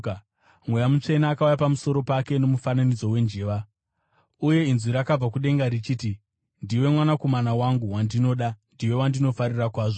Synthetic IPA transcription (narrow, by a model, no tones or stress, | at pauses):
mwe̞jamut͡ʂe̞naːkaujapamuso̞ɾo̞pake̞no̞mufananid͡zo̞we̞nd͡ʒeːʋa | uje̞inziɾakab͡vakuɗe̞ŋɡaɾit͡ʃiːti | ndiwe̞mwanako̞manawaŋɡuwandino̞ːɗandiwe̞wandino̞faɾirakwaːʐo